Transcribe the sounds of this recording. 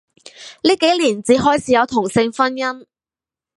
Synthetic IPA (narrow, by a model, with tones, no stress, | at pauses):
liː˥ke˨˥jliː˨˩nt͡siː˨˥ɦɔː˥jt͡sʰiː˨˥jɐ˨˧wt̪ʰʊ˨˩ŋsɪ˧ŋfɐ˥njɐ˥n